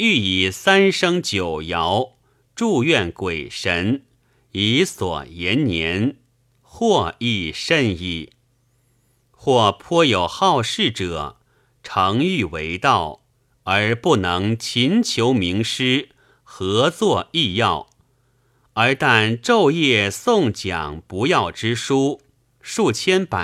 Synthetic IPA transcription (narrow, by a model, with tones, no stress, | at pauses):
y˥˩i˨˩sa˥nʂɤ˥ŋt͡ɕjo˨˩ʊjɑ˧˥ʊ | ʈ͡ʂu˥˧ɥɛ˥˩nkwe˨˩ɪʂə˧˥n | i˧˥swɔ̰˨˩jɛ˧˥nnjɛ˧˥n | xwɔ˥˧i˥˩ʂə˥˧ni˥˩ | xwɔ˥˩pʰɔ˥jo˨˩ʊxɑ˥˧ʊʂɻ̩˥˩ʈ͡ʂɤ˨˩˦ | ʈ͡ʂʰɤ˧˥ŋy˥˩we˧˥ɪt̪ɑ˥˩ʊ | ə˞˧˥pu˥˩nɤ˧˥ŋt͡ɕʰi˧˥nt͡ɕʰjo˧˥ʊmi˧˥ŋʂɻ̩˥ | xɤ˧˥t͡swɔ˥˧i˥˧jɑ˥˩ʊ | ə˞˧˥t̪a˥˧nʈ͡ʂo˥˧ʊjɛ˥˩sʊ˥˩ŋt͡ɕjɑ̰˨˩ŋpu˧˥jɑ˥˩ʊʈ͡ʂɻ̩˥ʂu˥ | ʂu˥˩t͡ɕʰjɛ˥npa̰˨˩